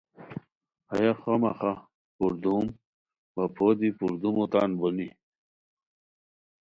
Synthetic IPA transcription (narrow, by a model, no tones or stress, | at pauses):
ɐjaxomɐxa | puɾd̪um | bɐpʰod̪ipuɾd̪umut̪aːnboni